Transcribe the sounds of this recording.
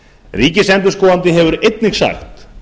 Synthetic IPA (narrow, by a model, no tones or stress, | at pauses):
riːcɪsɛnt̪̬ʏ̥skɔːvant̪ɪɦɛvʏɾejt̪̚nɪxsa̰xt̪